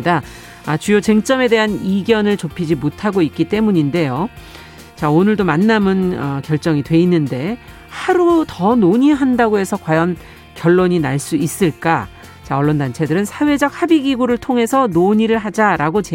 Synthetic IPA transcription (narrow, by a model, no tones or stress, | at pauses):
da | at͡ɕujot͡ɕe̞ŋt͡ɕ͈ʌme̞de̞ɦaniɡjʌnɯɭt͡ɕopʰid͡ʑimotʰaɡoik͈it͈e̞muɲinde̞jo | t͡ɕaonɯɭdomanːamɯnʌkjʌɭt͡ɕ͈ʌŋidwe̞inːɯnde̞ | haɾutʌnoɲiɦandaɡoɦe̞sʰʌkwajʌn | kjʌɭːoɲinaɭs͈uis͈ɯɭk͈a | t͡ɕaʌɭːondant͡ɕʰe̞dɯɾɯnsʰawe̞d͡ʑʌk̚habiɡiɡuɾɯɭtʰoŋɦe̞sʰʌnoɲiɾɯɭɦad͡ʑaɾaɡot͡ɕe